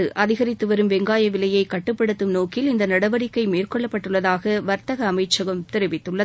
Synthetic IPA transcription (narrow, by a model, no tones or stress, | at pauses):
ɯʔɐðɪɣɐɾɪt̪ːɯʋɐɾɯmʋɛŋɡaːjɐʋɪlɐjɐɪkɐʈːɯpːɐɽɯt̪ːɯmnoːkɪlɪnd̪ɐnɐɽɐʋɐɾɪkːɐɪmeːrkɔɭːɐpːɐʈːɯɭːɐðaːɣɐʋɐɾt̪ɐɣɐːmɐɪt͡ʃːɐɣɐmt̪ɛɾɯʋɪt̪ːɯɭːɐð